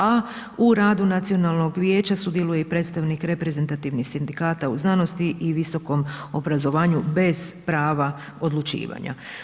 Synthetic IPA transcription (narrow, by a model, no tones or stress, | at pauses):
a | uɾaːd̪unat̪sio̞naːlˠno̞ɡʋje̞ːt͡ɕasud̪je̞lujeipɾe̞ːt̪st̪aʋnikɾe̞pɾe̞ze̞nt̪at̪iʋnixsind̪ikaːt̪auznano̞st̪iʔiʋiso̞ko̞mo̞bɾazo̞ʋaːɲube̞z̥pɾaːʋa | o̞d̪lˠut͡ʃḭːʋa̰ɲa̰